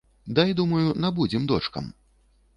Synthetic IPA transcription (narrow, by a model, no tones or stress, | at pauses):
d̪ajd̪umɐjunabud͡zʲɛmd̪ɔt͡ʂkɐ̰m